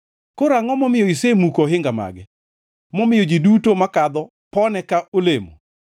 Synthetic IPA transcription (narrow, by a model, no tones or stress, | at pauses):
koɾaŋɔmɔmɪjɔisemukoɦɪŋɡama̰ɡɛ | mɔmɪjɔd͡ʒidutomakad̪ɔ | pɔnɛkaʔolemo̰